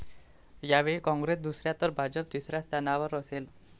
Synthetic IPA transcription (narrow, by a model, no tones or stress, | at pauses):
jaʋekɔ̃ŋɡɾesd̪usɾjat̪əɾbʱad͡zəp̚t̪isɾjast̪ʰanaʋəɾəsel